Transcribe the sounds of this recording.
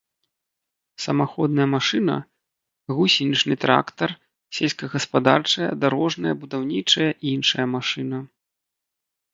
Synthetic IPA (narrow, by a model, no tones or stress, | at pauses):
sɐmaxɔd̪nɐjɐmaʂɨnɐ̰ | ɣusʲinʲit͡ʂnɨt̪ɾa̰kt̪ɐr | sʲɛlʲsʲkɐɣɐspad̪a̰rt͡ʂɐjɐ̰d̪aɾɔʐnɐjɐbud̪awnʲit͡ʂɐjɐʔiinʂɐjɐmaʂɨnɐ